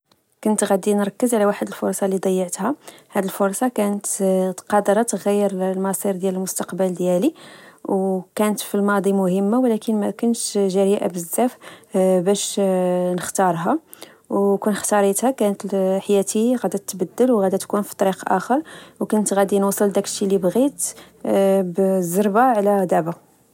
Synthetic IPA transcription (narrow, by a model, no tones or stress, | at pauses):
kʊnt̪ɣæd̪inɾˤɑkːəzʕlæwaħəd̪əlfʊɾˤsˤɑlid̪ˤɑjːəʕt̪hæhæd̪ilfʊɾˤsˤɑkænət̪t̪qɑd̪əɾˤɑt̪ɣæjːəɾlmɑsˤiɾd̪jæləlmʊst̪ɑqbəld̪jæliwkænət̪filmɑd̪ˤimʊhəmːawlækənmækʊnʃʒæɾiʔa̰bəzːæfbæʃnəxt̪ɑɾˤɦɑ | wkunəxt̪ɑɾˤit̪hækænət̪lħajæt̪iɣæd̪æt̪ːbəd̪ːəlwɣæd̪æt̪kunfi̥t̪ˤɑɾiqʔæ̰xəɾˤwkʊnt̪ɣæd̪inwsˤəld̪ækəʃilibɣit̪ | bzəɾˤbaʕlæd̪æba